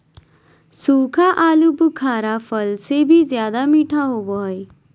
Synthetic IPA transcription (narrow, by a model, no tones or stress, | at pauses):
suːkʰaʔaːlubukʰaːɾafʰəlsebʱizjaːd̪amiːʈʰaɦoːboɦj